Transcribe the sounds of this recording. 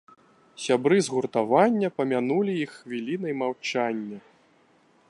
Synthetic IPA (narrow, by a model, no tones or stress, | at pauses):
sʲabɾɨzɣurt̪avanʲːɐpɐmʲanulʲijixːvʲilʲinɐjmawt͡ʂanʲːɐ